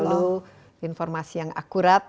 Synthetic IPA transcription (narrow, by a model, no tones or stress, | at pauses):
lu | infɔrmasijaŋa̰kuɾat̪̚